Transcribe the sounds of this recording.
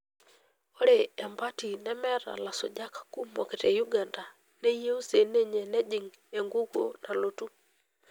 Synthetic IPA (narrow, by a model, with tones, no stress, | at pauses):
o˦ɾeː˨mba˦ti˨nɛ˦mɛ˦ɾa̰˨la˨sɔ̰˨d͡ʒa˦kḁ˦ku˦mɔ̰˨ke˨tɛ˨ju˦ɡa˨nda˨ | ne˦je˦o˦se˨ne˦ɲe˨nɛ˦d͡ʒɪ˨ŋ | e˨ŋɡu˦ɡo̰˨nʔa˨lo˨tu˦